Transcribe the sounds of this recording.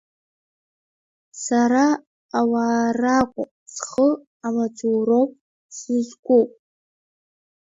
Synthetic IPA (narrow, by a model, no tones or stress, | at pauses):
saɾaː | waːrakʷʼʊ | sχə | amad͡zuro̞wpʼ | sizɡʷupʼ